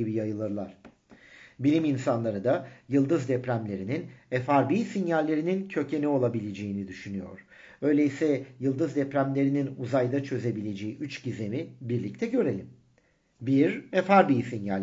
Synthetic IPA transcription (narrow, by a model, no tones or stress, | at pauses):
ibijajɯlˠɯɾlˠa̰ɾ̥ | bilʲiminsanlˠaɾɯd̪ajɯlˠd̪ɯzd̪ɛpɾæmlʲe̞ɾininɛfaɾbiːsinjalʲːe̞ɾinincʰø̞cʰe̞nɛo̞lˠabilʲe̞d͡ʒe̞jinid̪yʃynyjo̞̰ɾ̥ | ø̞jlʲeisɛjɯlˠd̪ɯzd̪ɛpɾæmlʲe̞ɾininuzajd̪at͡ʃʰø̞ze̞bilʲe̞d͡ʒejiʔyt͡ʃɟize̞mibiɾlʲic̚t̪ʰɛɟø̞ɾe̞lʲim | biɾɛfaɾbiːsinjalʲ